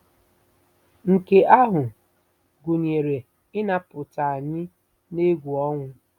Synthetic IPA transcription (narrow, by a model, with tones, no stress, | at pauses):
ŋ̩˨ke˨ʔa˦ɦʊ˨ | ɡu˨ɲe˨ɾe˨ | ɪ˦na˦pʊ˨ta˨a˨ɲɪ˦ | ne˦ɡʷu˨ɔ˦ŋʷʊ˦